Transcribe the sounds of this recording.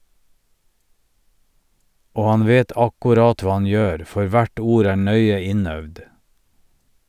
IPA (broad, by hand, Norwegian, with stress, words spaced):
ˈoː ˈɑn ˈʋeːt ˈɑkʊˌɾɑːt ˈʋɑː ˈɑn ˈjøːɾ ˈfɔɾ ˈʋæʈ ˈuːɾ ˈæː ˈɳœʏə ˈɪˌnœʋd